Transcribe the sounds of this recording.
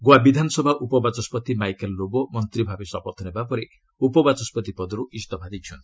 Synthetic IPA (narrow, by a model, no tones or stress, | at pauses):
ɡoabid̪ʱanɔsɔbʱaʔupɔbat͡ʃɔspɔt̪imajkelːobɔmɔnt̪ɾibʱabesɔpɔt̪ʰːɔnebapɔɾe | upɔbat͡ʃɔspɔt̪ipɔd̪ɔɾuist̪ɔbʱad̪it͡ʃʰɔn